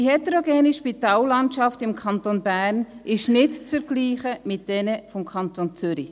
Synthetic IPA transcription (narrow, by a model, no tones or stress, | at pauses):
ihɛtɾoɡɛːniʃpitɑːlːɑntʃɑftɪmkʰɑntonbæːrnʔɪʃnɪtt͡sfəɾɡ̥liːχəmɪt̚d̥ɛnəfɔmkʰɑnt̪ont͡sʏɾi